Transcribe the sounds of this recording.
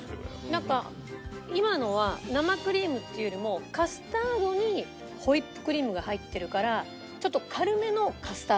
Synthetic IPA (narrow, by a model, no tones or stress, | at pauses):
nãŋka | imano̞β̞anamakɯ̟ɾʲiːmɯ̟t̪ːe̞jo̞ɾʲimo̞kasɨ̥t̪aːd̪o̞ɲ̟i | ho̞ipːɯ̥kɯ̟ɾʲiːmɯ̟ɡahait̪ːe̞ɾɯ̟kaɾa | t͡ɕo̞t̪ːo̞kʰaɾɯ̟me̞no̞kasɨ̥t̪a